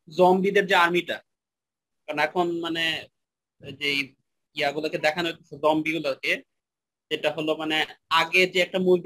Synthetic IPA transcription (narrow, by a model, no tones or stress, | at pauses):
zɔmbid̪eɾd͡ʑeaɾmiʈa | kaɾonɛkʰonmane | d͡ʑej | iaɡulaɾked̪ɛkʰanot̪esʰezɔmbiɡulaɾke | d͡ʑeʈaɦolomaneaɡed͡ʑeɛk̚ʈamulb